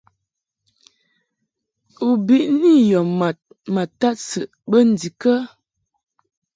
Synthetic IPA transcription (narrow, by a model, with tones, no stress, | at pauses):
u˨bi˦ʔni˦˨jɔ˨ma˨t̚ | ma˨ta˦t̚sə˨ʔbə˦n̩˨di˨kə˦